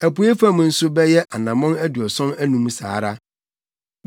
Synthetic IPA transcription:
æ˨pʊ˨˦e˦fã˦mʊ̃˨n̩˦sʊ˦bɛ˦jɛ˦ʔa˨nã˨mɔ̃˦næ˦du˨ɔ˨sɔ̃˦næ˦nũ˨˦m˦sa̰ː˨˦ɾa˦

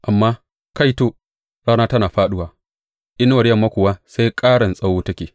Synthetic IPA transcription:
ʔa˨mːaː˦ | ka˦˨jtoː˦ | ɽaː˦naː˦tɐ˦naː˨ɸaː˦ɗʊ˦waː˨ | ʔɪ˦nwɐ˨ɽjɐ˦˨mːa˦kʷʊ˨waː˦sa˦jkʼaː˦ɽɐ˨nsʼa˦woː˦tɐ˦kʲeː˨

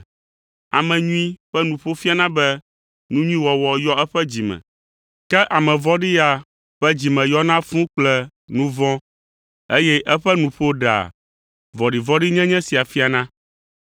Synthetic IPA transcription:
a̰˨mɛ̃˨ɲũ˦ĩ˦ɸɛ˦nũ˨ɸo˦fi˦a˨nã˦bɛ˦ | nũ˦ɲũ˦ĩ˦wɔ˨wɔ˨jɔ˦ɛ˦ɸɛ˦d͡ʑi˨mɛ̰̃˨ | kɛ˦ʔa˨mɛ̃˨vɔ˦ɖi˦a˨ | ɸɛ˦d͡ʑi˨mɛ̃˨jɔ˦nã˦fũ˦k͡plɛ˦ | nũ˦vɔ̃˦ | e˦jɛ˦ʔɛ˦ɸɛ˦nũ˨ɸo˦ɖa̰˨ | vɔ˨ɖi˨vɔ̃˦ɖi˦ɲɛ̃˦ɲɛ̃˦si˨a˨fi˦a˨nã˦

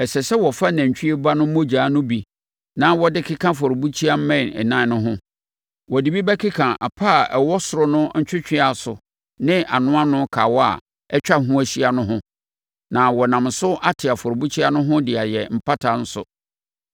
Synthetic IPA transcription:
ɛ˨sɛ˨sɛ˦wɔ˨fa˦nã˨ɲ̩˨t͡ɕᶣi˦e˦ba˦nʊ̃˦mõ˦d͡ʑaː˨˦nʊ̃˦bi˨ | nã˦wɔ˦dɪ˦kʰɪ˦kʰã˦fɔ˨ɾbu˦t͡ɕʰi˦a˦m̩˦mɛ̃˦˨nɛ̰˨nã˦nʊ̃˦ɦʊ̃˦ | wɔ˨di˨bi˦bɛ˦kʰɪ˦kʰã˨ʔa̰˨pʰa˦˨ʔɛ˨wɔ˦sʊ˨ɾʊ˦nʊ̃˦ɲ̩˦t͡ɕᶣɪ˦t͡ɕᶣɪ˦a˨sʊ˨ | nɪ̃˦ʔa˨nʊ̃˦ã˦nʊ̃˦kʰaː˨wɔ˦a̰˨ | ɛ˦t͡ɕᶣa˦ɦũ˦æ˨ɕi˦a˨nʊ̃˦ɦʊ̃˦ | nã˨wɔ˨nã˨msʊ˦ʔa˦tʰɪ˨a˨fɔ˨ɾʊ˨bu˦t͡ɕʰi˦a˦nʊ̃˦ɦʊ̃˦dɪ˨a˨jɛ˨m̩˨pʰa˦tʰa˨n̩˦sʊ̰˨

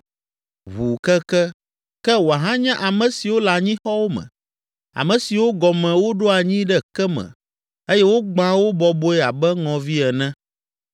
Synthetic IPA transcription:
βu˨kɛ˦kɛ˦ | kɛ˦wo˨a˨ɦã˦ɲã˦ʔa˨mɛ̃˨si˨wo˦la˨ɲĩ˦xɔ˦wo˦mɛ̰̃˨ | a̰˨mɛ̃˨si˨wo˦ɡɔ˨mɛ̃˨wo˦ɖo˦a˨ɲĩ˦ɖɛ˦kɛ˦mɛ̰̃˨ | e˦jɛ˦wo˦ɡ͡bã˦wo˦bɔ˨bo˦ɛ˦a˨bɛ˦ŋɔ̃˨vi˦ɛ˨nɛ̃˦

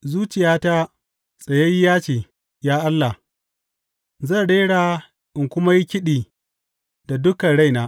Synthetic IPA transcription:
zuː˦t͡ʃɪ˨jaː˦ta˦ | sʼɐ˨je˦ji˦jaː˦t͡ʃeː˨ | jaː˦ʔa˦lːa˨h | zɐ˦˨ɽeː˦ɽaː˨ | ʔɪ˨ŋkʷʊ˦ma˦ji˦kʲɪ˦ɗiː˨ | da˨dʊ˦kɐ˨ɽa˦jnaː˦

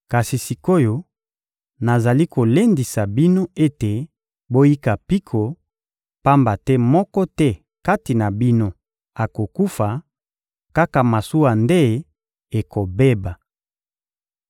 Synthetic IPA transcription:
ka˨si˨si˨ko˦jo˨ | na˨za˨li˦ko˨le˦ndi˨sa˨bi˦no˦e˦te˨ | bo˦ji˦ka˨pi˦kʰo˨ | pa˦mba˨tɛ˦mɔ˦kɔ˦tɛ˦ | ka˦ti˨na˨bi˦no˦ | a˨ko˨ku˦fa˨ | ka˦ka˨ma˨su˦wa˨nde˦ | e˨ko˨be˦ba˨

